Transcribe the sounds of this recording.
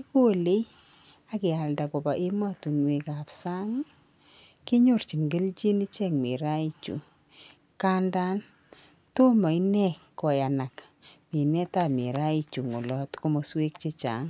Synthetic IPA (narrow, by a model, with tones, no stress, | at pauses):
ko˦le˦j | a˨kɪ˨a˨lda˨kɔ˨ba˨ʔi˦ma˦tu˨ŋwe˨ka˨psa˦ŋ˦ | kɪ˦ɲo˦˨rt͡ʃi˨nɡə˦lt͡ʃi˦ni˦t͡ʃɛ˦˨kme˨ɾa˦i˦˨t͡ʃṵ˨ | ka˦nda˦n | to˦ma˨i˦nɛ˦˨kɔ˨ja˨na˨k | mi˨nɛ˦ta˦˨mḭ˨ɾa˦i˦t͡ʃu˨ŋo˨lɔ˦tko˦mɔ˦swe˦kt͡ʃe˦t͡ʃa̰˨˦ŋ